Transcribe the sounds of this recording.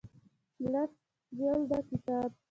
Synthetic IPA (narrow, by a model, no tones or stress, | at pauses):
las | jald̪akɪt̪aːp